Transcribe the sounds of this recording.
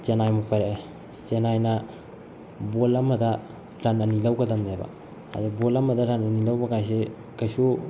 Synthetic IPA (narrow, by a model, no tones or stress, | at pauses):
t͡ʃenajmupajɾae | t͡ʃenajna | bolɐmːɐdɐ | ɾanɐnilawɡɐdɐmebɐ̰ | a̰dubolɐmɐdɐɾanɐnilawbɐkajs̬e | kajsu